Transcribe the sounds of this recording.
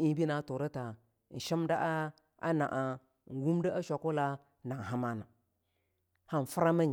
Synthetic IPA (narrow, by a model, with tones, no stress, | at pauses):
i˦bi˦na˨˦to˨ɾə˦ta˨ | n̩˨ʃi˦mda˦ʔa˦ | a̰˦na̰˨ʔa˨ | ŋ̩˨ɡu˦mdə˦a˦ʃʷa˨ko˦la˦ | na˨ŋ˨ɦa˦ma˦na˨ | ha˦n˨fə˦ɾa˦mə˦ɲ